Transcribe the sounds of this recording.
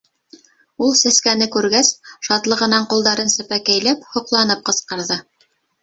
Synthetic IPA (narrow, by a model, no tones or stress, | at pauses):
ulˠsæskænɘkʉɾɡæsʃɑt̪lˠɤ̆ʁɤ̆nɑɴqulˠd̪ɑɾɤnsɘ̆pækæjlæphŏqlˠɑnɤp̚qɤ̆sqɤ̆ɾðɤ